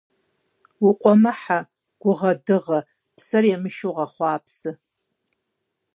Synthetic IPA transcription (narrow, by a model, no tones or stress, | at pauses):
wuqʷʼɔmɐħa | ɡ̥ʷʊʁɐdɨʁɐ | pʰsɐrjɛmɨʃuʁɐχʷɑːpʰsɨ